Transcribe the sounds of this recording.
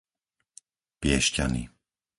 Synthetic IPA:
pɪɛʃca̰nḭ

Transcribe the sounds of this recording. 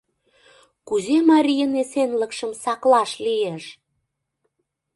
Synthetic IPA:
kuzemɑɾʲijənesenlə̆kʃə̆msɑklɑʃlieʃ

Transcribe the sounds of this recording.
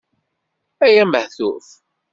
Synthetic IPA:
æjæməħθuθ

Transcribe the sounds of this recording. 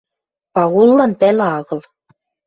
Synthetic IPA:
pɑɣulˠːɑnpælʲæɑɣɤ̆lˠ

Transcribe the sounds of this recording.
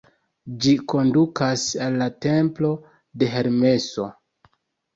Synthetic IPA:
d͡ʒiko̞ndukasalːate̞mplo̞ | de̞ɦe̞ɾme̞so̞

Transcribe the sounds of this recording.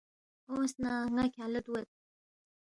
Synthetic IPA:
osnaŋakʲaləd̪uwet̪̚

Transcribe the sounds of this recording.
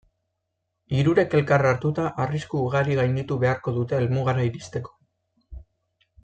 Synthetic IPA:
iɾuɾe̞ke̞lkaraɾt̪ut̪aʔariskuːɣaɾiɣajnd̪it̪uβe̞aɾko̞ðut̪e̞ːlmuɣaɾaiɾist̪e̞ko̥

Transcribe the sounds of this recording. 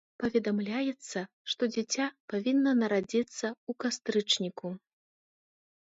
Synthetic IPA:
pɐvʲɛd̪amlʲajɛt̪sːɐ | ʂt̪ɔd͡zʲɛt͡sʲapavʲinːɐnɐɾad͡zʲit̪sːɐukast̪ɾɨt͡ʂnʲiku

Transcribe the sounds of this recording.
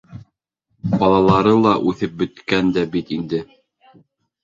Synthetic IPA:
bɑlˠɑlˠɑɾɤlˠɑʔʉθɘp̚bɵ̆t̪kænd̪æbit̪ind̪ɘ

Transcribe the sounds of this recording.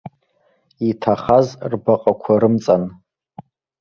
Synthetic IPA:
itʰaχazrbaqʼakʷʰaɾɨmt͡sʼan

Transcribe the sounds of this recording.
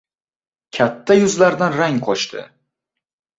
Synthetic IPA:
kʲʰat̪ʰːajʊzlaɾd̪anɾaŋqʰɒt͡ʃt̪ʰɪ̰

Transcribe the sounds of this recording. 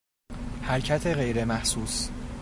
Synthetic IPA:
hæɾcʰæt̪ʰe̞ɣe̞jɾe̞mæhsuːs

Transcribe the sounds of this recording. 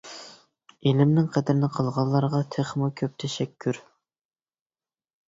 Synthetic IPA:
elɪmnɪŋqʰɛd̪ɪɾɪnɪqʰəlˠʁɑlˠːɑɾʁɑt̪ʰeχmukʲʰøp̚t̪ʰɛʃɛkʲʰːyɾ

